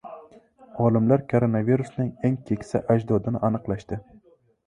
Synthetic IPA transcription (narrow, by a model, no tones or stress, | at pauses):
ɒlˠɪmlæɾkʰoɾonɑviɾusnɪŋeŋkʲʰekʲsɛʔæd͡ʒd̪ɒd̪ɪnɪʔɑnɨqlˠɑʃt̪ɪ